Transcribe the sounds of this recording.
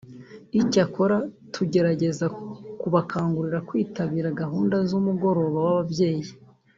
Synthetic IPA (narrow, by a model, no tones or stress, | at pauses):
icako̞ɾatʰuɟe̞ɾaɟe̞zakuβakʰaːŋɡuɾiɾakwiːtaβiːɾaɡaɦuːndazumuɡo̞ɾo̞ːβawaβabje̞ːji